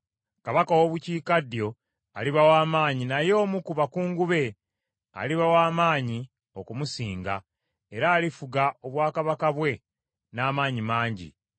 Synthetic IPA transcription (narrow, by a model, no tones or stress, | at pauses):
kaβakawoβuciːkadjo̞ | a̰liβawaːmaːɲinajo̞ːmukuβakuːŋɡuβe̞ | a̰liβawaːmaːɲi | okumusiːŋɡa̰ | e̞ɾaːlifuɡao̞βwaːkaβakaβwe̞ | naːmaːɲimaːɲɟḭ